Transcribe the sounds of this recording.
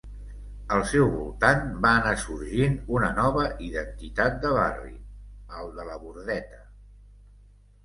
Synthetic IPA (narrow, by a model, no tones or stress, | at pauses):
əlˠsɛwβulˠt̪anbaənasuɾʒinunənɔβəʔiðənt̪it̪at̪̚d̪əβa̰rḭəlˠd̪ələβuɾðɛt̪ə